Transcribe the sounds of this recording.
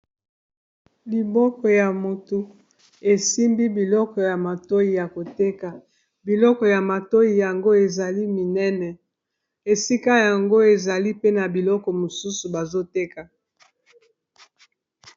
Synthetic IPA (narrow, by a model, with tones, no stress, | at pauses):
li˨bɔ˦kɔ˨ja˨mo˨tu˨ | e˨si˦mbi˦bi˨lɔ˦kɔ˨ja˨ma˨to˦ji˨ja˨ko˨te˦ka˨ | bi˨lɔ˦kɔ˨ja˨ma˨to˦ji˨ja˨ŋɡo˦e˨za˨li˦mi˨nɛ˦nɛ˨ | e˨si˦ka˦ja˨ŋɡo˦e˨za˨li˦pe˦na˨bi˨lɔ˦kɔ˨mo˨su˦su˨ba˨zo˦te˦ka˨